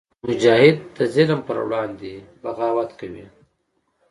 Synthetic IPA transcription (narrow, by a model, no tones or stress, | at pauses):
mʊd͡ʒɑːhɪd̪̚ːəzɪlmpə̰ɾwɽɑːnd̪ebaɣɑːwat̪kawḭ